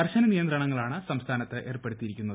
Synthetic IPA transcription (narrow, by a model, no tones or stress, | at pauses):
ɐrɕɐnɐnijɐnd̪rɐɳɐŋːɐɭaːɳɨsɐmst̪ʰaːnɐt̪ːɨʔe̞ːrpeɽut̪ːiɾikʲːunːɐðɨ